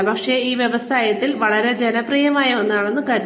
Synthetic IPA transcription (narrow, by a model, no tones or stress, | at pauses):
pɐkʂe̞iːʋjeʋɐsaːjɐt̪ːilʋɐɭɐɾe̞d͡ʑenɐprijɐmaːjɐonːaːɭenːɨkɐɾ